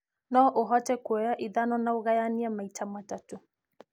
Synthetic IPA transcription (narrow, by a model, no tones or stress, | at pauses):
nɔʔoɦɔtɛkwɛjaʔiðanɔnaoɣajaniamaitʰamatato